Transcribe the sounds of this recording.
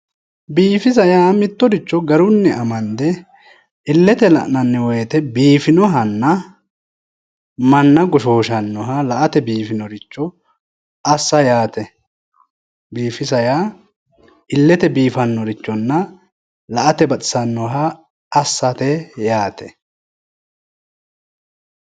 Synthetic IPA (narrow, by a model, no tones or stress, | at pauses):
biːfɪs̬ɐjaːmɪt̪ːɔd̪ɪt͡ʃːɔɡɐɾʊnːɛʔɐmɐnd̪ɛ | ʔɪlːɛt̪ɛlɐ̰ʔnɐnːɛwɔjɛt̪ɛbiːfɪnɔɦɐnːɐ | mɐnːɐɡɔʃoːʃɐnːɔɦɐlɐʔɐt̪ɛbiːfɪnɔɾɪt͡ʃːɔ | ɐsːɐjaːt̪ɛ | biːfɪsɐja | ɪlːɛt̪ɛbiːfɐnːɔɾɪt͡ʃːɔnːɐ | lɐʔɐt̪ɛbɐt͡sʼɪ̥sɐnːɔɦɐː | sːɐt̪ɛjaːt̪ɛ